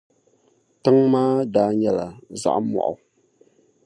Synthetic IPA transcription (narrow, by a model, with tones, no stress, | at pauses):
tɨ˦ŋmaː˦daː˦ɲɛ˦la˨za̰˦ʔmwɔ̰˨ʔʊ̰˨